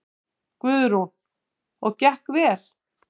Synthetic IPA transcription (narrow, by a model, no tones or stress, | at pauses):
kvʏðʏɾun | ɔɣcɛhkvɛːɾ̥